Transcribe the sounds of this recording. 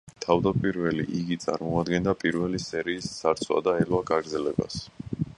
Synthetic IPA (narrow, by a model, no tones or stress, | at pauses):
t̪ʰavd̪apʼiɾvɛliʔiɡit̪sʼa̰ɾmɔad̪ɡɛnd̪apʼiɾvɛlisɛɾiːsːaɾt̪sʰwa̰d̪aɛlwaɡaɡɾd̪zɛlɛba̰s